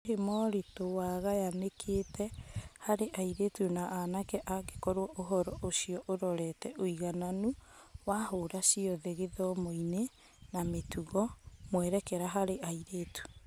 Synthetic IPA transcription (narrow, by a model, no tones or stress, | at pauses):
ɦemɔɾetowaɣajanekʰetʰɛhaɾeʔaiɾetunaʔanakɛʔaɣekɔɾwɔʔoɦɔɾɔʔosiɔʔoɾɔɾɛtɛʔoiɣananuwahoɾasiɔðeɣeðɔmoine | nametuɣɔmwɛɾɛkɛɾaɦaɾeʔaiɾetu̥